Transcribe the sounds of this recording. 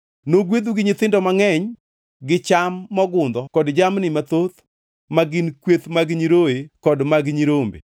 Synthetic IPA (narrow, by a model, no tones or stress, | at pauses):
noɡwed̪uɡɪɲɪt̪ɪndɔmaŋɛɲ | ɡɪt͡ʃamːɔɡʊnd̪ɔkɔdd͡ʒamnɪmat̪ot̪ | maɡɪnkwet̪maɡɲiɾoekɔdmaɡɪɲiɾombḛ